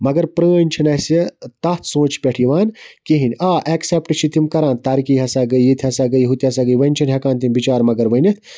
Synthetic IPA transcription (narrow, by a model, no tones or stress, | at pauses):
mɐɡɐɾpɾəːənʲt͡ʃʰinɐsit̪ɐt̪ʰsõːt͡ʃʰpʲeʈʰiʋaːnkiɦinʲaːʔeksepʈɨt͡ʃʰit̪ʰimkɐɾaːnt̪aːɾikijɦɐsaːɡəjjit̪ʰiɦɐsaːɡəjɦut̪iɐsaːɡəjʋɐnʲt͡ʃʰinɦɐkãːnt̪ʰimbit͡ʃaːɾmɐɡɐɾʋɐnit̪ʰ